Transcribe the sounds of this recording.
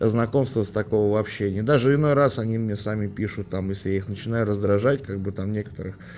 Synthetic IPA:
znɐko̞mst̪vəst̪ɐko̞vəvɐːpɕːenʲɪjəd̪aʐɨɪno̞jɾasɐnʲimnʲesamʲɪpʲiʂʊt̪ːamjesʲlʲɪjaixnət͡ɕɪnajʊɾəzd̪ɾɐʐatʲkaɡ̚bɨt̪amnʲe̞kə̥t̪əɾɨx

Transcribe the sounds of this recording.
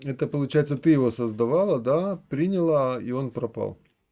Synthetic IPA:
ɛt̪əpəlˠʊt͡ɕæjɪt̪sət̪ɨjɪvo̞səzd̪ɐvalˠəd̪apɾʲinʲɪlˠəio̞npɾɐpa̰lˠ

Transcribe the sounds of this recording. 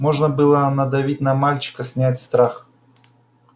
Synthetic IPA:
mo̞ʐnəbɨlˠənɐd̪ɐvʲit̚ʲnɐmalʲt͡ɕɪ̥kəsʲnʲætʲst̪ɾax

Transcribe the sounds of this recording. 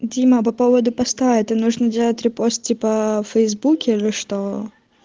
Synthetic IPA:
dʲimɐpɐpovəd̪ʊpɐst̪aɛt̪ənuʐnədʲelˠətʲɾʲɪpost̪̚tʲipəfəjzbukʲɪilʲɪʂt̪o

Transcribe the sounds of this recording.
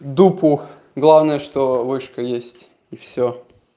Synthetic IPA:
d̪upʊ | ɡlˠavnəjəʂt̪ovɨʂkəjesʲtʲ | ɪfsʲo

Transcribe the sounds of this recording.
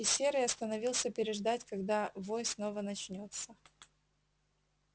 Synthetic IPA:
ɪsʲeɾɨjɐst̪ənɐvʲilˠsʲəpʲɪɾʲɪʐd̪atʲkɐɡd̪avojsno̞vənɐt͡ɕnʲo̞t̪sə

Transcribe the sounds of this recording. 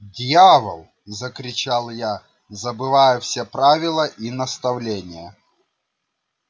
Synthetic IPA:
dʲjavə̰lˠ | zəkɾʲɪt͡ɕalˠja | zəbɨvajʊfsʲepɾavʲɪlˠəʔinəst̪ɐvlʲenʲɪjə

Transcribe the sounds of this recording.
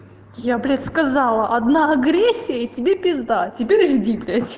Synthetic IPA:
jablʲet̪skɐzalˠəʔɐd̪naɐɡɾʲesʲːɪjətʲɪbʲepʲɪzd̪atʲɪpʲeɾʲʐdʲiblʲɪtʲ

